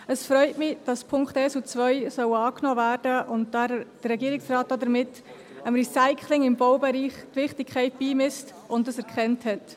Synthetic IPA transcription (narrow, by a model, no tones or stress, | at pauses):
əsfɾœʏtmɪd̥ɑspʰʊŋkχtɛɪsut͡svœʏsœwəɑːknɔːvæːɾd̥əʔʊnt̚d̥ad̥əɾːɛɡiːɾɪksrɑːt̚d̥odəɾmɪt | əmɾisaɪkʰχlɪŋɪmbowbɛɾiːχtʋɪχtɪkʰɛɪt̚b̥iːmɪst | ʊntdəsɛɾkχɛnthɛt